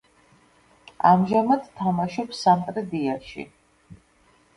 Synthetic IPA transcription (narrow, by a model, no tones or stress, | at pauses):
amʒamad̪t̪ʰːamaʃɔpsamt̪ʼɾɛd̪iaʃḭ